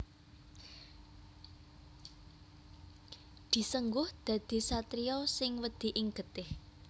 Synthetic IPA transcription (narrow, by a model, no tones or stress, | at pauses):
d̪̥i̤səŋɡʊhd̪̥ä̤d̪̥i̤sat̪ɾiɔsɪŋwəd̪̥i̤ʔiŋɡ̥ət̪ɪh